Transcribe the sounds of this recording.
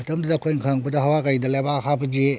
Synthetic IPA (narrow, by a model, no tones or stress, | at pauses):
ɐtɐmdudɐːkʰojŋkʰaŋbɐdɐɦawakɐɾidɐlajbahʰabɐd͡ʒe